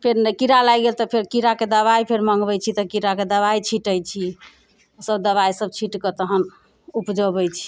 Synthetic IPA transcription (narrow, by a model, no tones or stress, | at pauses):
pʰeɾnkiɾalajɡelt̪ɔpʰeɾkiɾaked̪əβajpʰeɾməŋɡbɛjt͡ʃʰit̪ɔkiɾaked̪əβait͡ʃʰiʈəjt͡ʃʰi | səbd̪əβajsəbt͡ʃʰiʈkət̪əɦən | upd͡ʒəbəjt͡ʃʰi̥